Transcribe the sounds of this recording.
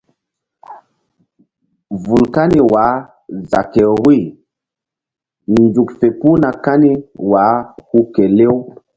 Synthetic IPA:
vu˨lka˦ni˨wa˨˦ | za˨ke˨wi˦˨ | nzu˨kfe˨ku˦na˨ka˦ni˦wa˨˦hu˦ke˨le˦w

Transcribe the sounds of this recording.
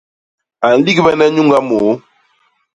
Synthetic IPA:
a˨n̩˨li˦kβɛ˦nɛ˦ɲu˦ŋɡa˦mo˨˦

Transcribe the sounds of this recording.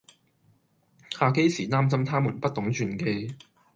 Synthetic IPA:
haː˨˧ke˥jsiː˨˩t̪aː˥msɐ˥mt̪ʰaː˥muː˨˩npɐ˥t̚t̪ʰːʊ˨˥ŋt͡ʃʰyː˨nke˧j

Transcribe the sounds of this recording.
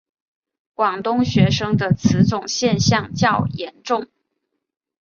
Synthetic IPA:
kwɑ˨˩ŋt̪ʊ˥ŋɕɥɛ˧˥ʂɤ˥ŋd̪ə˨t͡sʰɹ̩˧˥t͡sʊ˨˩ŋɕjɛ˥˧nɕjɑ˥˧ŋt͡ɕjɑ˥˩ʊjɛ˧˥nʈ͡ʂʊ˥˩ŋ

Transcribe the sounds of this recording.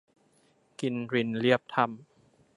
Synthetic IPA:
ki˧nɾi˧nli˥˩əp̚t̪ʰa˧m

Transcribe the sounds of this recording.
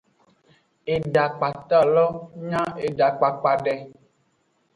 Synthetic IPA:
e˨ɖa˨k͡pa˨t̪a˦˨lɔ˦ɲã˦e˨ɖa˨k͡pa˨k͡pa˨ɖɛ˨

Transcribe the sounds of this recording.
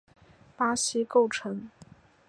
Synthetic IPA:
pa˥ɕi˥ko˥˩ʊʈ͡ʂʰɤ˧˥˦ŋ

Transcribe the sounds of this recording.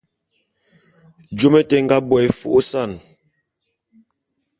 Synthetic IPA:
d͡ʒo˦mɛ˦tɛ˨˦ŋ̩˦ɡa˦bɔ˨ɛ˨˦fu˦˨o˦sa˦˨n

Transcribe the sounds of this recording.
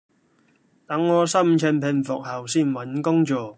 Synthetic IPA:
t̪ɐ˨˥ŋːɔː˨˧sɐ˥mt͡ʃʰɛ˧npʰɪ˧nfʊ˨k̚hɐ˨˩wsiː˥˩nwɐ˨˥nkʊ˥ŋt͡ʃɔː˨˧

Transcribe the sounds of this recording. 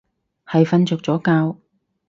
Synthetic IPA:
hɐ˨jfɐ˧nt͡sɵː˨k̚t͡sɔː˨˥kaː˧w

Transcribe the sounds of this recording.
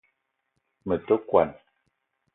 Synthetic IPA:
mə˨tə˦kwa̰˨n

